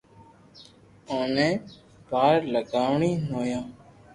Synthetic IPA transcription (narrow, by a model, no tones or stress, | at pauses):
ãːnẽː | baːɾləɡaːʋɳiːnoːjãː